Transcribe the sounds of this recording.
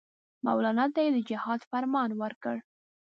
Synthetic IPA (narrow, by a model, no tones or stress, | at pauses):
ma̰wlɑnɑt̪ːajed̪əd͡ʒɪhɑd̪faɾmɑnwəɾkəɽ